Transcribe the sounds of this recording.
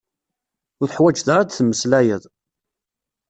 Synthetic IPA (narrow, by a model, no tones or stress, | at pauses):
ʊθəħwæd͡ʒðaɾad̪θmːəslæjəðˤ